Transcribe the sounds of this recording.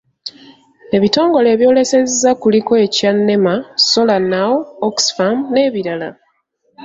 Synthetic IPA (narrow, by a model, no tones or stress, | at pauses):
e̞βito̞ːŋɡo̞le̞ːβjo̞ːle̞se̞zzakuliko̞e̞canːe̞maso̞lanawoksfamne̞ːβiɾala̰